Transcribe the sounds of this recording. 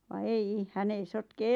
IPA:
ʋɑ eii hæn ei sotke

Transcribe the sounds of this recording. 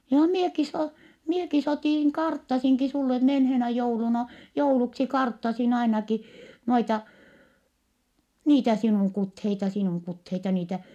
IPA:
johɑ mieki s oː mieki s otiˑŋ kɑrtːɑsiŋki sulːe menheːnæ joulunɑ jouluksi kɑrtːɑsin ɑinɑki noitɑ niːtæ sinuˑŋ kutheitɑ sinuˑŋ kutheitɑ niːtæ

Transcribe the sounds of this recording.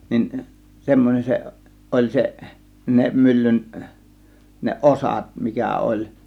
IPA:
nin semːonʲen seʔ ʔolʲ seʔ ne mylːyn ne ʔosɑt mikæ olʲ

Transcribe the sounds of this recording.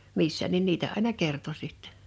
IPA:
misːæ nin niːtæ ɑˑe̝nɑ kerto sitːe̥n̥

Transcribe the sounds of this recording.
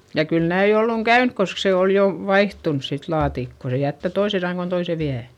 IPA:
jɑ kyl næi olːuŋ kæynk kosk se oˑl jo ʋɑihtuns sit lɑːtikːo se jætːæ toise sɑŋːon toise ʋiæ

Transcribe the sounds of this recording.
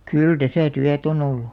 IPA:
kyl tæsæˑ tyæt on olːu

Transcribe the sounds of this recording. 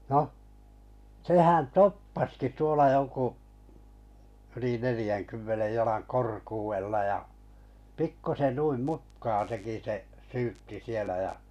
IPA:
noh sehæn topːɑski tuolɑ jo ku yli nelĭjæŋkymːenej jɑlɑŋ korkuːwelːɑ jɑ pikːusen nuim mutkɑː teki seʔ syːtːi sielæ jæ

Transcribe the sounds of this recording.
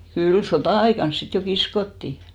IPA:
kyl sotɑˑɑikɑn sit jo kiskotːiˑ

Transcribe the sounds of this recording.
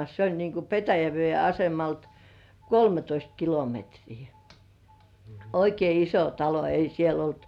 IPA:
s olʲ niːŋku ʔpetæjæʋĭeˑ ɑsemɑlt kolmetoist kilometriː oikei iso tɑlo ei siel olt

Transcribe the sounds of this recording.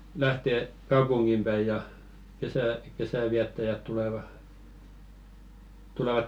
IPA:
læhte kɑupuŋɡ̊im b̥æi jɑ kesæ kesæˑʋiætːæjæt tuleʋɑ tuleʋɑ

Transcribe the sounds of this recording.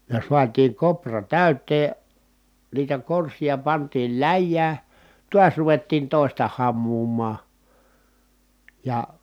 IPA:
jɑ suɑtiːŋ koprɑ tæˑytˑeː niːtæ korsijɑ pɑntiːl læjːæː tuɑs ruʋetːiːn toˑistɑ hɑmːuːmˑɑː jɑ

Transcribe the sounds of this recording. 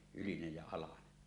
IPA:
ylinej jæ ɑlɑne

